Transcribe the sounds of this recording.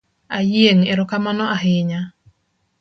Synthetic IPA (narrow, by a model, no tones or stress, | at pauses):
ajjeŋeɾɔkamanɔʔaɦɪɲa